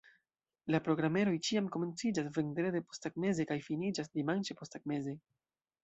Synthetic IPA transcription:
lapɾo̞ɡɾame̞ɾo̞jt͡ʃiamko̞me̞nt͡sid͡ʒasvendɾedepo̞staɡme̞ze̞kajfinid͡ʒasdimant͡ʃepo̞staɡ̚me̞ze

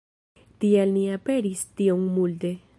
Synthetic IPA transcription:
t̪ielmiape̞ɾist̪ioŋmult̪e̞

